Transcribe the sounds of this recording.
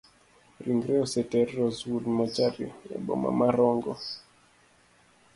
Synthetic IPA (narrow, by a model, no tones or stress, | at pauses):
ɾiŋɡɾɛɔsɛtɛɾɾɔzudmat͡ʃaɾḭɛ̰ɓɔ̰ma̰maɾɔŋɡɔ